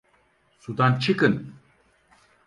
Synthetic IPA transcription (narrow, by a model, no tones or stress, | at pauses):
sud̪ant͡ʃʰɯkɯn